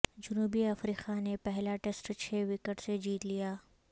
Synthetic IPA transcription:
d͡ʒʊnuːbiɐfɾiːqanepɛɦlaʈesʈt͡ʃʰeːʋɪkəʈsed͡ʒiːt̪lijaː

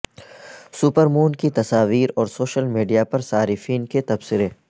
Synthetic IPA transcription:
sʊpəɾmuːnkit̪ɐsaːʋiːɾɔːɾsoːʃəlmiːɖijapɐɾsaːɾɪfiːnket̪ɐbsɪɾeː

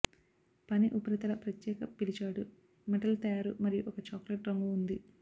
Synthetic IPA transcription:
pɐniʔupɐɾɐt̪ɐlɐpɾɐt̪jɛːkɐpilit͡ʃaːɽu | meʈɐlt̪ɐjaːɾumɐɾijuʔɔkɐt͡ʃaːkleʈɾɐŋɡuːnd̪i

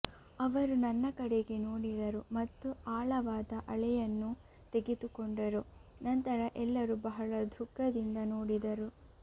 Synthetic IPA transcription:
ɐʋɐɾunɐnːɐkɐɽeɡe̞noːɽid̪ɐɾumɐt̪ːuaːɭɐʋaːd̪ɐʔɐɭɛjɐnːu | t̪e̞ɡet̪ukoɳɖɐɾunɐnt̪ɐɾɐʔɛlːɐɾubɐɦɐɭɐd̪ʱukːɐd̪ind̪ɐnoːɽid̪ɐɾu

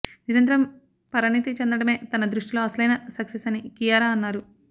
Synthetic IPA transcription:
niɾɐnt̪̬ɾɐm | pɐɾɐɳit̪it͡ʃɛnd̪ɐɽɐme̞ːt̪ɐnɐd̪ɾuʂʈilo̞ːɐsɐlɐjnɐsɐksesɐnikijaːɾaːɐnːaːɾu

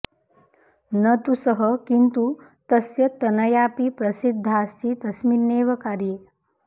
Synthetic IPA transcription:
nɐt̪usəɦəkint̪u | t̪ɐsjɐt̪ɐnɐjaːpipɾɐsid̪ʱːaːst̪ʰit̪ɐsminːeːʋɐkaːɾjeː

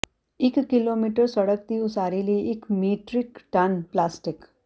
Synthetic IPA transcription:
ikːilomiʈəɾsəɽəkt̪iːusaɾiliːkmiʈɾikʈanplasʈik

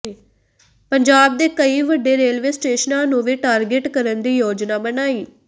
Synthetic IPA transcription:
pəɲd͡ʒaːb̚d̪eːkəiːʋəɖːeːɾeːlʋeːsʈeːʃnãːnũːʋiːʈaːɾɡɪʈkəɾənd̪iːjoːd͡ʒnaːbənaːiː

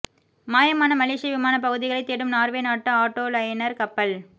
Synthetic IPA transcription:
maːjɐmaːnɐmɐleːʂɪjɐʋɪmaːnɐp̬ːɐɣɯðɪɣɐɭɐɪt̪ːeːɽɯmnaːɾʋeːnaːʈːɯaːʈːoːlɐjnɐɾkɐpːɐl

